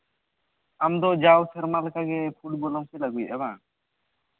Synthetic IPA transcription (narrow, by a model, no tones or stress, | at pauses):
amd̪ɔd͡ʒawsɛɾmalkaɡɛpʰuʈ̚bɔlɔmkɛlaɡujʔɛba